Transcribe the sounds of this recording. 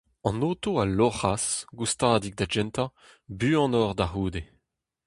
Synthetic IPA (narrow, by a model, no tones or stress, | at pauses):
ɑ̃noːt̪oalɔʁasɡust̪aːd̪ik̚d̪ad͡ʒɛnt̪a | byːɑ̃nɔʁd̪aʁuːd̪e